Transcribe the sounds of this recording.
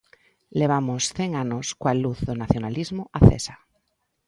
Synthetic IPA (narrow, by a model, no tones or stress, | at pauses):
leβ̞amosθeŋanoskwaluθðonaθjonalizmoaθḛsa